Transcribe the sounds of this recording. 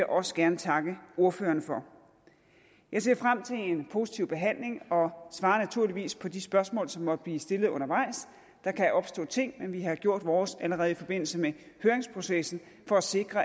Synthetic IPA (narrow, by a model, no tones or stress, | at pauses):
ʔɒ̽sə̥ɡ̥æɐnət͡sʰɑ̈ɡ̥əo̝ɐføːɐnəfɒ̽ | jɑ̈ɪse̝ɐ̰fʁam̰t͡sʰe̝lenpʰo̝ːsi̥t͡sʰiʊb̥e̝ɦæn̰le̝ŋɒ̽sʋɑ̈ːɐnæt͡sʰuɐ̰liʋḭːspʰɒ̽d̥isb̥ɶɐsmɔ̰̽ːlsɒ̽mːɒ̽d̥əb̥liːsd̥e̝lð̩ˠɔ̽nɐʋɑ̈ɪ̰s | d̥ɑ̈kʰæjʔɒ̽b̥sd̥ɔ̰ːt͡sʰe̝ŋ̰menʋihɑ̈ɡ̥jo̝ɐ̰d̥ʋɒːsæləʁɛːð̞̩ˠifɒ̽b̥e̝n̰l̩səmehøːɐʁeŋspʰʁo̝sesn̩ | fɒ̽æse̝ɡ̥ʁɐ